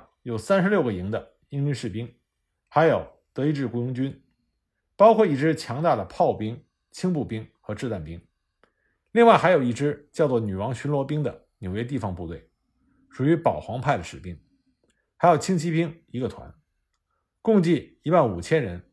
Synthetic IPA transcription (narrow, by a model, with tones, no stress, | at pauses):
jo˨˩ʊsa˥nʂɻ̩˧ljo˥˩ʊɡə˩i˧˥ŋd̪ə˨ | i˥ŋy˥nʂɻ̩˥˩pi˥ŋ | xa˧˥ɪjo˨˩ʊ | t̪ɤ˧˥i˥˧ʈ͡ʂɻ̩˥˩kwu˥ʊ˧˥ŋt͡ɕy˥n | pɑ˥ʊkʰwɔ˥˧i˥˩ʈ͡ʂɻ̩˥t͡ɕʰjɑ˧˥ŋt̪a˥˩d̪ə˩pʰɑ˥˩ʊpi˥ŋ | t͡ɕʰi˥ŋp̬u˥˩pi˥ŋxɤ˧˥ʈ͡ʂɻ̩˥˧t̪a˥˩npi˥ŋ | li˥˧ŋwa˥˩ɪxa˧˥jo˨˩ʊi˥˩ʈ͡ʂɻ̩˥t͡ɕjɑ˥˧ʊt͡swɔ˥˩ny˨˩wɑ˧˥ŋɕy˧˥nlwɔ˧˥pi˥ŋd̪ə˨ | njwe˥ɪt̪̬i˥˩fɑ˧˥ŋpu˥˧t̪we˥˩ɪ | ʂu˨˩y˧˥pɑ˨˩ʊxwɑ˧˥ŋpʰa˥˩ɪd̪ə˩ʂɻ̩˨˩pi˥ŋ | xa˧˥jo˨˩ʊt͡ɕʰi˥ŋt͡ɕʰi˥pi˥ŋi˧˥ɡə˧t̪ʰwa̰˧˥n | kʊ˥˧ŋt͡ɕi˥˩i˧˥wa˥˩nu˨˩t͡ɕʰjɛ˥nɻə̰˧˥n